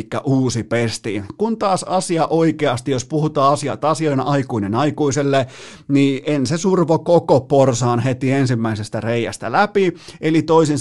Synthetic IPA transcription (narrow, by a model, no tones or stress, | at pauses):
kːæ̰ʔuːsipest̪ḭkunt̪ɑːsɑsiɑʔoikeɑst̪ijospuhut̪ɑːɑsiɑ̰t̪ɑsioinɑikuinenɑikuiselːe | niʔensesurʋokokoporsɑːnhet̪iensimːæisest̪æreiæ̰st̪ælæpielit̪oisins